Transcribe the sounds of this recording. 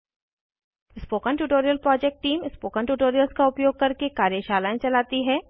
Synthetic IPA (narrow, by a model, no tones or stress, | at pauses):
ɪspoːkənʈuːʈoːɾijəlpɾɔːd͡ʒɛk̚ʈʈiːmɪspoːkənʈuːʈoːɾijəlskaʊpjoːɡ̚kɐɾkekaːɾjəʃaːlaːẽt͡ʃɐlaːt̪iɦɛː